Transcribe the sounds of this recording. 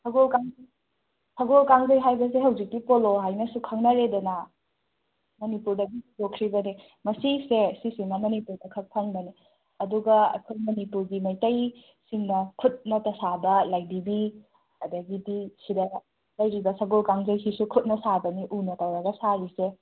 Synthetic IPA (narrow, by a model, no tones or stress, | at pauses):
sɐɡolkaŋj | sɐɡolkaŋzɐjɦajbɐs̬ehɐwzik̚bipoloɦajnɐsukʰɐŋnɐɾedɐnɐ | mɐnipuɾdɐɡiidokʰːɾibɐni | mɐsisesisiŋnɐmɐnipuɾdɐkʰɐk̚pʰɐŋbɐni | ɐduɡɐɐ̰kʰojmɐnipuɾɡimɐjtɐj | siŋnɐkʰut̚nɐtɐsabɐlajdibi | ɐdɐɡidisidɐ | lɐjɾibɐsɐɡolkaŋzɐjhisukʰut̚nɐsabɐniʔunɐtɐwɾɐɡɐsaɾise